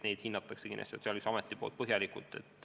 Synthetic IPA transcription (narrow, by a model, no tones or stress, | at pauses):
ne̞jd̪̥hinːɑt̪ːˑɑksekinʔḛst̪ot̪seɑlyksɑmet̪ˑːipolt̪̚pɤɦjɑlikult̪ːˑet̪ːˑ